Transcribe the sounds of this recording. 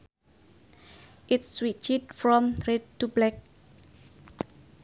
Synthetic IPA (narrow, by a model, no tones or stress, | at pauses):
ʔɪtswit͡ʃid̚fɾɔmɾed̚t̪ublɛk̚